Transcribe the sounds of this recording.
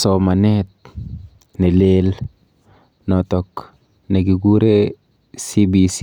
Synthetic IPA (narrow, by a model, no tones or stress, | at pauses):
sɔmanɛt̪̚ | nelel | nɔtɔk | neɡiɡuɾe | sibisi